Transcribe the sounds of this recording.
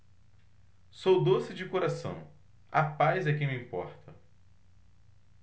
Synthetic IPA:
sowd̪osɪd͡ʒɪkoɾasɐ̰̃w̃ | apajzɛkẽj̃miĩpɔ̰ɾt̪ʰɐ

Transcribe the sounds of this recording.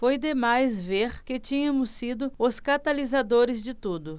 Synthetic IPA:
fojd̪emajzveɾkɪt͡ʃĩɲɐmʊsid̪ʊʊskat̪alizad̪oɾɪzd͡ʒɪt̪ud̪ʊ

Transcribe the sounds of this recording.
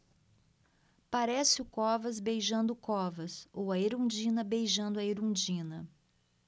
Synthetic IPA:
paɾɛsɪʊkɔvɐzbejʒɐ̃nd̪ʊkɔvɐsowɐeɾũd͡ʒĩnɐbejʒɐ̃nd̪ʊɐeɾũd͡ʒĩnɐ

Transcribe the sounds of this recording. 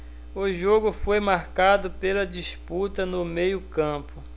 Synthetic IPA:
ʊʒoɡʊfojmaɾkad̪ʊpelɐd͡ʒisput̪ɐnʊmejʊkɐ̃pʊ

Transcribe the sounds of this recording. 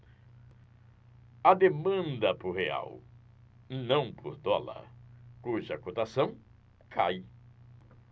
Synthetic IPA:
ɐd̪emɐ̃nd̪ɐpʊɦea̰w | nɐ̃w̃poɾd̪ɔlɐ̰kuʒɐkot̪asɐ̃w̃ | kʰaj

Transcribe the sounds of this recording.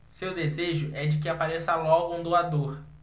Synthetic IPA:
sewd̪ezeʒʊʔɛd͡ʒɪk̬ɪapaɾesɐlɔɡʊũd̪oad̪oɾ

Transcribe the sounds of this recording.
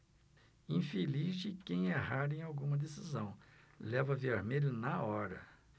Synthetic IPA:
ĩfelizd͡ʒɪkẽj̃eɦaɾẽj̃awɡũmɐd̪esizɐ̃w̃ | lɛvɐveɾmelʊnɐɔɾɐ̰

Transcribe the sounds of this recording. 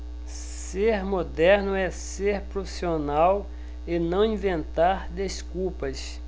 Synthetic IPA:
seɾmod̪ɛɾnʊɛseɾpɾofi̥sionaw | ɪnɐ̃w̃ĩvẽnt̪aɾd̪eskuwpɐs

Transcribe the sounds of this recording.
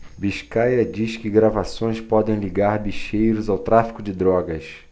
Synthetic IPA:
biʃkajɐd͡ʒiskɪɡɾavasõj̃spɔd̪ẽj̃liɡaɾbiʃejɾʊzawt̪ɾafi̥kʊd͡ʒɪd̪ɾɔɡɐs

